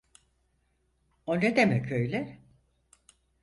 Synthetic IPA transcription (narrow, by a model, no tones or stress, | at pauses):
oned̪emɛcʰøjlʲɛ